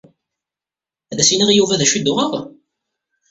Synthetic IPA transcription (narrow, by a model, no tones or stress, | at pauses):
æðæsiniʁjuvæðæʃid̪ʊʁəʁ